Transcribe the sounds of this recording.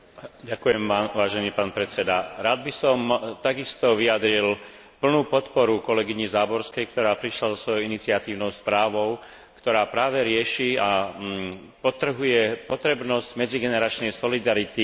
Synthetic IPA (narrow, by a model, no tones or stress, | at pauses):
ɟakujɛmʋaːʒɛniːpaːnpɾɛt͡sɛd̪aɾaːd̪̚bisɔmt̪aɡist̪ɔʋiad̪ɾil | pl̩nuːpɔt̪pɔɾukɔlɛɡiɲizaːbɔɾskɛjkt̪ɔɾaːpɾiʃlazɔsʋɔjɔʊinit͡sɪat̪iːʊnɔʊspɾaːʋɔʊ | kt̪ɔɾaːpɾaːʋɛɾɪɛʃiːa | pɔt̪r̩ɦujɛpɔt̪ɾɛbnɔsɟmɛd͡ziɡɛnɛɾat͡ʃnɛjsɔlid̪aɾit̪i